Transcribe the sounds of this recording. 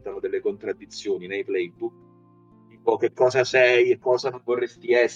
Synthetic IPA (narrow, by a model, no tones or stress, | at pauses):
t̪anod̪elːekont̪ɾad̪ːit̪sːjoːninejplɛjbuk̪ | ipɔk̟ːekʰːɔːzasɛjekːɔːzanoɱvorːest̪iɛsː